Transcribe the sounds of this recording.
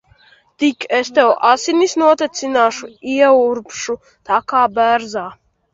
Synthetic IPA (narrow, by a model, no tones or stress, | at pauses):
d̪̥ikʰɛst̪ʰɛɔʔasinisnuɔt̪ʰɛsʰinaːʃuiɛuɾpʰʃu | t̪ʰakʰaːbɛːɾza